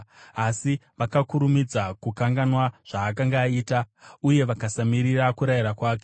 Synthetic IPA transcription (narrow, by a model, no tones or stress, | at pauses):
asiʋakakuɾumid͡zakukaŋɡanwaʐ̥aːkaŋɡaːiːtauje̞ʋakasamiɾirakuɾajiɾakwaːk̬ee